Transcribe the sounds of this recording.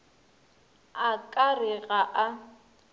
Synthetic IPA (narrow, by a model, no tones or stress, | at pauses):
akʼarɪɣaʔa